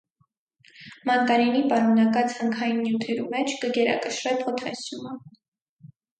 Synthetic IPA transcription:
mɑnkɑɾinipɑɾmɑnɑkɑt͡shəŋkʰɑjinːjut̪ʰɛɾṵmɛt͡ʃʰkəɡɛɾɑ̰kəʃɾɛpʰɔt̪ʰɑ̰sumə

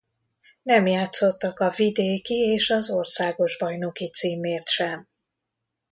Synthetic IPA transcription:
nɛmjaːt̪so̞t̪ːɒkɒvid̪eːkieːʃɒzo̞rsaːɡo̞ʒbɒjno̞kit̪siːmeːrt̪ʃɛm

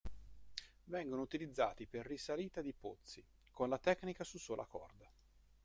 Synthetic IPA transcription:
vɛŋɡonout̪ilid̪zːaːt̪iperːisaliːt̪ad̪ipot̪sːi | konlat̪ɛkːnikasusoːlʔa̰kɔ̰rd̪a

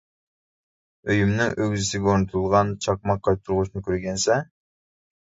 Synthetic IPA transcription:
øjymnɪŋʔøɡʲzisiɡʲɛoɾnut̪ʰulˠʁɑnt͡ʃʰɑq̚mɑqʰːɑjp̚t̪ʰuɾʁuʃnɨkʲʰøɾɡʲɛnsɛ

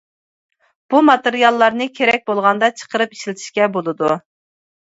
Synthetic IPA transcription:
b̥umɑt̪eɾijɑlˠːɑɾnɨkʲʰeɾɛk̚ʲbolˠʁɑnd̪ɑt͡ʃʰə̥qəɾɨpi̥ʃlɪt̪ʰi̥ʃkʲɛbolˠɨd̪u

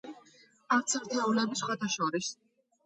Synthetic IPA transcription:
aɾt̪sʰɛɾt̪ʰaulɛbisχwat̪ʰaʃɔɾis

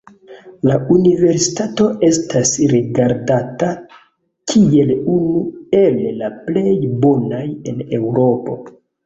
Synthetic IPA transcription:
launive̞ɾsi̥tato̞e̞stasɾiɡaɾdata | kʰie̞lunue̞llaple̞jbo̞naje̞ne̞wɾo̞po̞̰

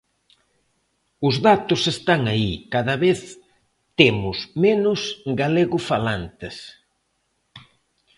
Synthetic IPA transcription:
ʊzðat̪ʊsest̪aŋaikaðɐβeθ | t̪emʊsmenʊsɡaleɣʊfalant̪ɪs

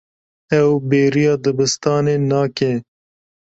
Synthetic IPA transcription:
ɛwbeːɾijɑːd̪ɨbɪst̪ɑːneːnɑːke

